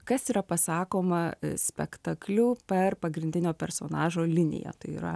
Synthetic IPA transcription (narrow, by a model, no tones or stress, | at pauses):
kɐsiːɾɐpɐsɑːkoːmɐsʲpʲɛkt̪ɐklʲupʲɛrpɐɡɾʲɪnʲd̪ʲɪnʲoːpʲɛɾsoːnɑːʒoːlʲɪnʲɪ̰jɛ̰t̪ɐɪḭːɾɐ